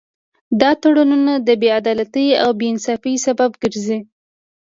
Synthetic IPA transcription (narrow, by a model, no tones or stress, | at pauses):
d̪ɑt̪aɽununad̪əbead̪ɑlat̪əja̰wbeɪnsɑfəjsababɡəɾzi